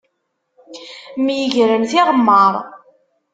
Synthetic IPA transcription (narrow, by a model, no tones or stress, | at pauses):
mjəʝɾəmθɪʁəmːəɾˤ